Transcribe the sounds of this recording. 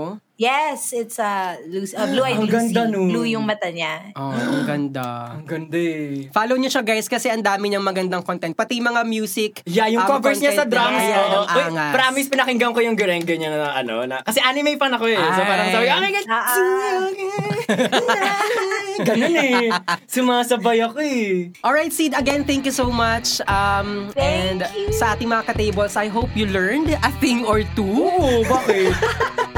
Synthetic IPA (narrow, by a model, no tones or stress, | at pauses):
jɛsɪt̪sɐlusɐbluɐjmɡɐnd̪anolujʊŋmɐt̪ɐɲaʔoɡɐnd̪aɐŋɡɐnd̪afaːlowɲoʃɐɡajskɐsɛʔɐnd̪aːmɪɲɐŋmɐɡɐnd̪ɐŋkont̪ɛnt̪̚pɐt̪ijmɐŋamjuːsɪkjajʊŋkovɛɹsɲasɐd̪ɾasoːʔoojŋapɐɾaɐmispɪnɐkɪŋɡɐŋkojʊŋɡɛɾɛŋɡɛɲɐŋɐʔɐno̰nɐkɐsɛʔanɪmejpɐŋnɐkoɛɛsopaːɾɐŋsabɪɡakɪɡɐa | ɡɐnonɛsʊmaasɐbajɐkoɛʔɔlɹajt̪̚sid̪ɐɡɛnθɛ̃ŋkjusowmɐt͡ʃɐmɛnd̪sɐʔaːt̪ɪŋmɐŋakɐt̪ejbɐlsʔɐjɦowpjulɛɹnd̪ɐθɪ̃ŋɔɹt̪uʔobaːkɪt̪̚